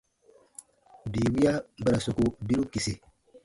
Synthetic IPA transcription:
biː˨wi˦ja˦ba˦˨ɾa˨so˨ku˦bi˦ɾu˦ki˨si˨

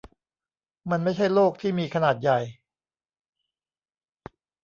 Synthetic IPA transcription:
ma˧nma˥˩jt͡ɕʰa˥˩jloː˥˩k̚t̪ʰiː˥˩miː˧kʰa˧naː˨˩t̪̚ja˨˩j

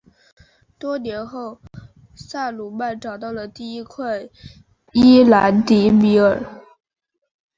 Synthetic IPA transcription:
t̪wɔ˥njɛ˧˥nxo˥˩ʊ | sa˥˩lu˨˩ma˥˩nʈ͡ʂɑ˨˩ʊt̪ɑ˥˩ʊlə˩t̪i˥˩i˥kʰwa˥˩ɪ | i˥la˧˥nt̪i˧˥mi˧˥ə˞˨˩˦

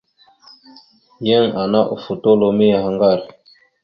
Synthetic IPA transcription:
je˦ŋa˨na˦ʔṵ˨fu˨to˦lo˨mi˦a˨ha˨ŋɡa˦˨ɾ

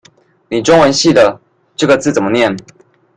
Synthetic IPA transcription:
ni˨˩ʈ͡ʂʊ˥ŋwə˧˦nɕi˥˨d̪ə˩ | ʈ͡ʂɤ˥˩ɡə˩t͡sɹ̩˥˩t͡sə˨˩nmə˦njɛ˥˩˨n

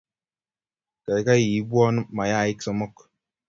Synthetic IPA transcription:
ka˨ka˦ji˨˦bʷɔ˦n˦ma˨ja˦˨i˦ksɔ˦mɔ˦k

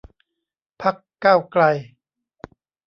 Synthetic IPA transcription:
pʰa˦˥kːaː˥˩wkla˧j

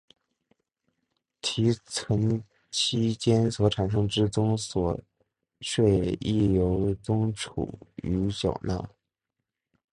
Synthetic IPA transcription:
t̪ʰi˧˥t͡sʰə˧˥ŋ | t͡ɕʰi˥t͡ɕjɛ˥nswɔ˧˥ʈ͡ʂʰa˨˩nʂ̬ɤ˥ŋʈ͡ʂɻ̩˥t͡sʊ˥ŋswɔ˨˩ | ʂwe˥˧ɪi˥˩jo˧˥ʊt͡sʊ˥ŋʈ͡ʂʰṵ˨˩y˧˥ɕjɑ̰˨˩ʊna̰˥˧˩

